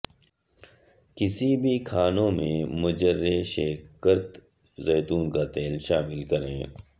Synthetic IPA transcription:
kɪsibʱikʰaːnõmẽmʊd͡ʒəɾeʃeːkːəɾt̪ | zɛːt̪uːnkat̪eːlʃaːmɪlkɐɾẽː

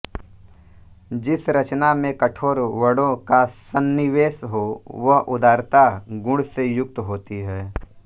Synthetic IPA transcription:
d͡ʒɪsɾɐt͡ʃnamẽkɐʈʰoːɾʋəɽõkasənːɪʋeːsɦoʋɐɦʊd̪aːɾt̪aɡʊ̃ɽsejʊk̚t̪ɦoːt̪iɦɛː

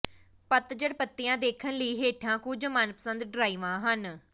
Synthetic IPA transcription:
pət̪d͡ʒəɽpət̪ːɪjãːd̪eːkʰənləiːɦeːʈʰãːkuːd͡ʒəmaːnpə̥sənd̪ɖɾaːiːʋãːɦən

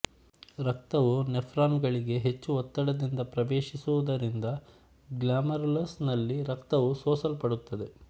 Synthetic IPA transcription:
ɾɐk̚t̪ɐʋunepʰɾaːnɡɐɭiɡe̞ɦe̞t͡ʃːuɔt̪ːɐɽɐd̪ind̪ɐpɾɐʋeːʃisuʋud̪ɐɾind̪ɐ | ɡlaːmɐɾlɐsnɐlːiɾɐkt̪ɐʋusoːsɐlpɐɽut̪ːɐd̪e̞

